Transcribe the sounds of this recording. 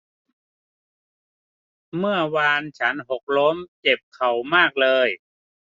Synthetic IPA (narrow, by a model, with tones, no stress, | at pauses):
mɯ˥˩ɐwaː˧nt͡ɕʰa˦˥nɦo˨˩k̚lo˦˥mt͡ɕe˨˩p̚kʰa˨˩wmaː˥˩k̚lɤː˧j